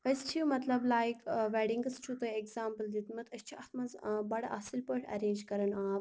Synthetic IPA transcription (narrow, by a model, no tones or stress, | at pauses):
ɐst͡ʃʰiumɐt̪lɐblaːjikʋɛɖiŋɡɐst͡ʃʰut̪oeɡzaːmpəld̪it̪mɐt̪ʰɐst͡ʃʰuɐt̪mɐzbɐɽɐʔaːsilpəʈʰɐ̰ɾẽːnd͡ʒkɐɾɐnaː